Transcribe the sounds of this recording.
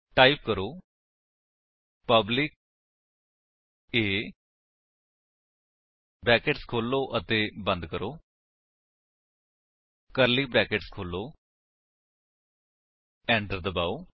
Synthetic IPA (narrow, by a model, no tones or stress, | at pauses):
ʈaːip̚kəɾoː | pəblɪk̚ | eː | bɾɛːkeʈskʰoːlːoːʔət̪eːbə̃nd̪kəɾoː | kəɾliːbɾɛːkeːʈskʰoːlːoː | ɛ̃ːɳʈəɾd̪əbaːoː